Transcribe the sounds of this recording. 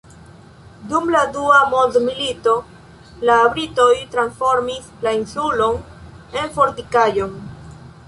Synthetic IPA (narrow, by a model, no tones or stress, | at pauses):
dumladuamodmilito̞ | laːbɾitojtɾansfo̞ɾmislainsulo̞n | e̞nfo̞ɾtikajo̞n